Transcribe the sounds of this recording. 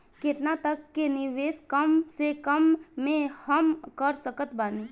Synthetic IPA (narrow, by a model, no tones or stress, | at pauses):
kɪt̪nat̪əkːenɪʋeːskəmsekəmːẽhəmkəɾsəkət̪baːniː